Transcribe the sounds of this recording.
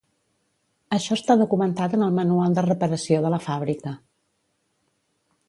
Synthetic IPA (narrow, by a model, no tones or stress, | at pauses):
əʃɔəst̪aðukumənt̪at̪ənəlˠmənualˠd̪ərəpəɾəsioðələfaβɾikə